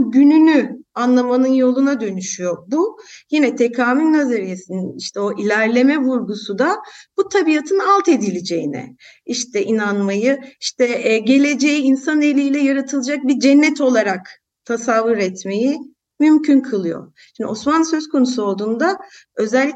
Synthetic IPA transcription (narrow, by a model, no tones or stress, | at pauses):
ɟynynyanlˠamanɯnjo̞lˠunad̪ø̞nyʃyjo̞bujinɛt̪ʰekʰaːmylʲnazaɾije̞sininiʃt̪ʰɛo̞ʔilʲæɾlʲe̞mɛvuɾɡusud̪ab̥ut̪ʰabijat̪ʰɯnalˠt̪ʰe̞d̪ilʲed͡ʒe̞jinɛ̰ | iʃt̪ʰɛʔinanmajɯiʃt̪ʰɛɟe̞lʲe̞d͡ʒe̞jiːnsanelʲiːlʲɛjaɾat̪ʰɯlˠɯd͡ʒak̚bid͡ʒɛnːɛt̪ʰo̞lˠaɾak | t̪ʰasavːɯɾɛt̪me̞ji | mymcʰynkʰɯlˠɯjo̰ | ʃimd̪iosmansø̞zkʰo̞nusuod̪und̪a | ø̞zɛlʲː